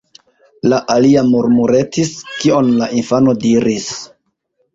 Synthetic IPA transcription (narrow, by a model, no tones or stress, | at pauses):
laʔaliamuɾmuɾe̞tiskio̞nlaʔinfano̞diɾis